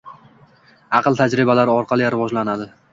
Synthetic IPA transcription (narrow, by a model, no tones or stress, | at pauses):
ɑqlˠt̪ʰad͡ʒɾɪbalaɾɒɾqʰɑlˠɪjɾɪvɒd͡ʒlanad̪ɪ